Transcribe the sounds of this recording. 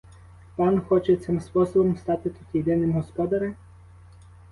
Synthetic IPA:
pɑnxɔt͡ʃɛt̪sɪmspɔsɔbɔmst̪ɑt̪ɪt̪ut̪ʲjed̪ɪnɪmɦɔspɔd̪ɐɾɪ

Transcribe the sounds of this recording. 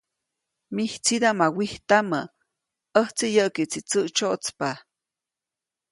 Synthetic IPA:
miht͡sid̪amawiht̪amə | əht͡sijəʔkiʔt͡sit͡səʔt͡ʃoʔt͡spa

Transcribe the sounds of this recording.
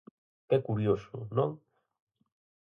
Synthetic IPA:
kɛkuɾjosʊ̰nõŋ

